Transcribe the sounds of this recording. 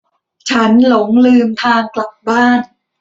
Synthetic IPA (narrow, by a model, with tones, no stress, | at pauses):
t͡ɕʰa˦˥nlo˩˦ŋlɯː˧mt̪ʰaː˧ŋkla˨˩p̚baː˥˩n